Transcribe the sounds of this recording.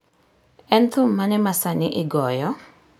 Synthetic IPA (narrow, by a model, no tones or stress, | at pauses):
ɛnt̪ʰʊmːanɛmasanɪʔɪɡɔjɔ